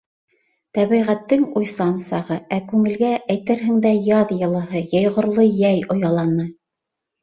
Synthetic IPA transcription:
t̪æβiʁæt̪ːɘŋujsɑnsɑʁɤækʉŋɘ̆lɡæʔæjt̪ɘɾɦɘ̆ŋd̪æjɑðjɤ̆lˠɤ̆ɦɤjɑjʁŏɾlˠɤjæjŏjɑlˠɑnɤ

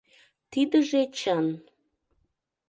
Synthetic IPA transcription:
t̪id̪əʒet͡ɕən

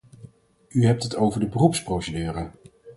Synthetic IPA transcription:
yɦɛp̚tɦətowvəɹdəbərupsprowsədyːrə

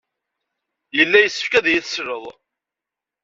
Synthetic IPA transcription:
jəlːæjəsːə̥fkæðæjiθsɾəðˤ

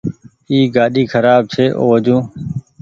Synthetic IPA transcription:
iːɡaːɗiːkʰəɾaːb̚t͡ʃʰeːʔo̰ːʋəd͡ʒũː

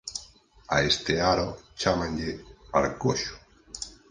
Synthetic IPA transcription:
aest̪eaɾot͡ʃamãɲʎea̰lkoʃʊ̥

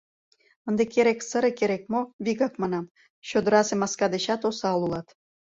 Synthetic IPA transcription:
ənd̪ekeɾeksəɾekeɾek̚moβiɣɑkmɑnɑm | ɕød̪əɾɑsemɑskɑd̪eɕɑt̪osɑlulɑt̪

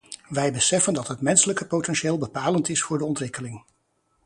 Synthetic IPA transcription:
ʋɛjbəsɛfəndɑtɦətmɛnsələkəpowtɛnʃɪːlˠbəpaːləntɪsfʊːɹdəɔntʋɪkəlɪŋ

